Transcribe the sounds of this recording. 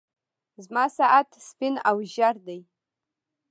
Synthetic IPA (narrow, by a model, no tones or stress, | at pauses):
zmasaʔatʰspinawʒardej